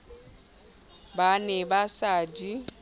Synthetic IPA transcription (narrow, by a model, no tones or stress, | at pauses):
banɛbasaːdi